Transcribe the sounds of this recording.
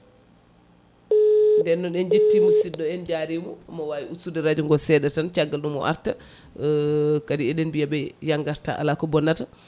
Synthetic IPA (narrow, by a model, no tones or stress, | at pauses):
ndɛnːɔnɗɛnd͡ʒetːimusidːɔɛnd͡ʒaɾimɔmɔwawiʔutːudɛɾad͡ʒuŋɡɔsɛdɛtant͡ʃaɡːalɗumɔ̰ʔa̰ɾta | kadiɛɗɛnbijabɛjaŋɡaɾta̰ʔa̰lakɔbɔnːata